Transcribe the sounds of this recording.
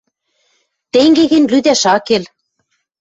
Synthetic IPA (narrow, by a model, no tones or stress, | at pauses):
t̪eŋɡeɣɘnlyd̪æʃɑkel